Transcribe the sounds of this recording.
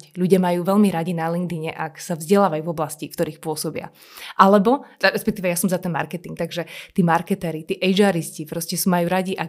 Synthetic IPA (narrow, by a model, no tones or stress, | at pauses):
cʎuɟɪamajuːʋɛʎmiɾaɟinalinɡd̪iɲɛʔaksavzɟɛlaːʋajuːvɔblascikt̪ɔɾiːxpʊɔsɔbɪa̰ | ʔalɛbɔɾɛspɛk̚t̪iːʋɛjasɔmzat̪ɛnma̰ɾkɛt̪iŋk̚t̪aɡʒɛt̪iːmaɾkɛt̪ɛɾit̪iːʔɛjd͡ʒaːɾiscipɾɔscɛsuːmajuːɾaɟiʔa